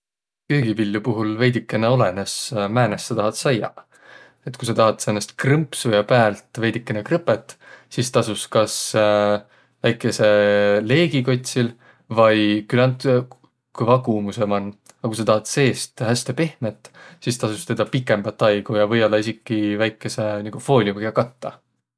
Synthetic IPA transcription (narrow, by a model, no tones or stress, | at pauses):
kejɡ̥ivilʲːjupuɦulve̞jd̪ikːˑeneo̞le̞nesmæːnesːɑt̪ɑɦɑt̪sɑjɑ̰ | e̞t̪ːkus̬ɑt̪ɑɦɑt̪seːnːest̪̚krɤmpsujɑpæːlt̪ˑve̞jd̪ikːˑenekrɯpːe̞t̪ːˑsist̪ɑsuskɑs | væjkːˑe̞se̞le̞ːɡiko̞t̪ʲsil | vɑjkylːɑnt̪ | kujvɑɡumuse̞mɑnː | ɑkus̬ɑt̪ɑɦɑt̪se̞ːst̪hæst̪e̞pe̞hme̞t̪ːsist̪ɑsust̪e̞d̪̥ɑpikːˑe̞mbɑt̪ːˑɑjɡ̥ujɑvɤjo̞lːɑisikːˑivæjkˑːe̞se̞niɡ̥ufo̞ːlʲikoɡiɑkɑt̪ːɑ